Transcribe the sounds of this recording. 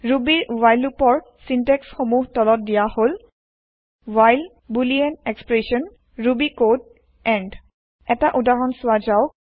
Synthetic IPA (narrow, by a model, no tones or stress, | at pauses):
ɹubiɹwajlupɔɹ | sintɛksxomuɦtɔlɔt̚dijahol | wajl | buliɛnekspɹesɔn | ɹubikod | ɛɳd | ɛtaʔudaɹɔnsʊwazaʊ